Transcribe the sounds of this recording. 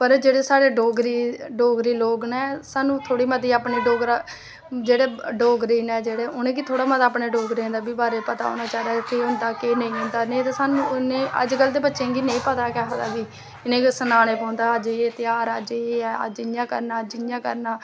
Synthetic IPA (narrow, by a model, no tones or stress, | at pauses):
pəɾd͡ʒeːɽeːsaːɽeːɖoːɡɾiːɖoːɡɾiːloːɡnɛːsaːnũːt̪ʰoːɽiːmət̪iːaːpɳiːɖoːɡɾa | d͡ʒeːɽeːɖoːɡɾiːnɛːd͡ʒeːɽeːʊnẽːkit̪ʰoːɽaːmət̪aːpɳeːɖoːɡɾẽːnd̪aːbiːbaːɾeːpət̪a̰ːo̰ːnaːt͡ʃaːd̪aːkeɦʊ̃nd̪aːkenə̃ĩːɦʊ̃nd̪aːnẽːt̪eːsaːnũːnẽːʔə̰d͡ʒkəld̪eːbətːʃẽːɡiːnẽĩːpət̪aːkɛɦad̪aːbiː | ɪnẽːsənaːnẽːpɔ̃ːʊ̃nd̪aːəd͡ʒeːt̪ɪjaːɾəd͡ʒeːə̰d͡ʒɪjãːkə̰ɾnaːd͡ʒɪjãːkə̰ɾnaː